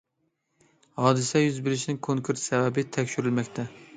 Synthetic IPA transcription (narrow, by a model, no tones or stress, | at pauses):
hɒd̪ɪsɛjyzbɪɾɪʃnɪŋkʰoŋkʰuɾsæbæbɪt̪ʰækʲʃʊɾɪlmækʲt̪ʰɛ